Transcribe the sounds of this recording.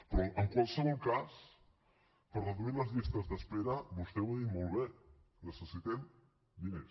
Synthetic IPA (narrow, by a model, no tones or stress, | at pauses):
pɾɔəŋkwalˠsəβɔlˠkas | pəɾrəðuiɾləzʎist̪əzðəspeɾəbust̪ewaimmolˠβe | ləsəsit̪em | d̪ine